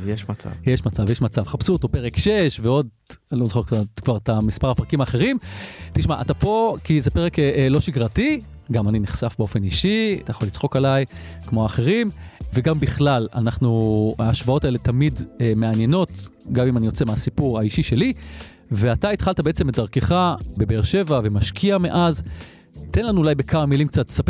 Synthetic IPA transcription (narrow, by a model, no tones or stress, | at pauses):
jeʃmat͡sa̰vjeʃmat͡savjeʃmat͡savχapsut̪opeʁekʃeʃveo̞d̪̚ | lozoχekakvaʁt̪amispaʁapʁakimaːχe̞ʁimtiʃmaʔatapo̞kizepeʁeklo̞ʃiɡʁati | ɡamaniniχsafbeo̞fe̞niʃiat̪ajaχo̞lit͡sχo̞kalajkmoaːχeʁimveɡambiχlala̰naχnuaːʃvao̞taele̞tamidme̞anje̞no̞tɡamimanijo̞t͡semeasipuʁaiʃiʃe̞li | ve̞ataitχaltabeet͡semetdaʁkeχabe̞beʁʃe̞vave̞maʃkʰiameʔaz | tenlanuːlajbe̞kʰamamilimk̚t͡satlsap